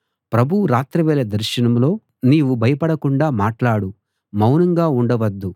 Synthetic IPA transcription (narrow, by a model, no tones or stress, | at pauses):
pɾɐbʱuuɾaːt̪ɾɐʋɛːlɐd̪ɐɾʃɐnɐmlo̞ː | niːʋubʱɐjɐpɐɽɐkuɳɖaːmaːʈlaːɽu | mɐwnɐŋɡaːuɳɖɐʋɐd̪ːu